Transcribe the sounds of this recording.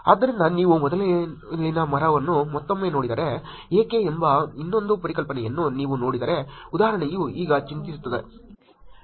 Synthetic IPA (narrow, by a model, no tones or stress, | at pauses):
ɐd̪ɐɾind̪ɐniːʋumɔd̪ɐllinɐmɐɾɐʋɐnːumɔt̪ːɐmːe̞ːnoːɽid̪ɐɾe | eːkeembɐinːond̪upɐɾɪkɐlpɐnɛjenːuniːʋuno̞ːɽid̪ɐːɾeʊd̪aːɐɾɐɳɐjuiːɡɐt͡ʃint̪isu̥t̪ːɐd̪e